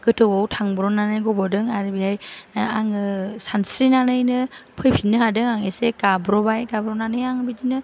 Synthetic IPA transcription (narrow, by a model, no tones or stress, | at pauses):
ɡ̥ɯtʰɯwɔwtʰaŋbɾɔnanɯjɡɔbɔdɯŋaɾibijajaŋɯsansɾinanɯjnɯpʰɯjpʰinːɯɦadɯŋaŋeseɡabɾɔbajɡabɾɔnanɯjaŋbidinɯ